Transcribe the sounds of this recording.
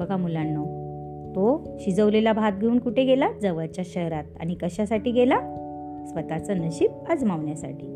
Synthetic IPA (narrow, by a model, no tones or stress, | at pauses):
bəɡʱamulanːo | t̪o | ɕid͡zəʋlelabʱat̪̚ɡʱeuːnkuʈʰeɡelad͡zəʋəɾt͡ɕjaɕəɦɾat̪̚a̰ñikəɕasaʈiːɡela | sʋət̪at͡sənəɕiːp̚əd͡zmaʋɳjasa̰ʈʰḭː